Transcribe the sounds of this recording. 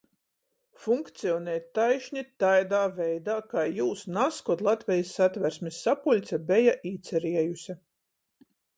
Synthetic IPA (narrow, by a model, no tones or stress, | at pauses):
fuŋkt̪siɔnɛːt̪ːajʃɲʲit̪ajd̪aːvɛjd̪aːkaːjuːsnaskɔt̪lˠat̪vʲɛjisːat̪vʲæɾsʲmʲisːapulʲt̪sʲabʲɛjaʔiːt̪sɛɾiɛjusʲa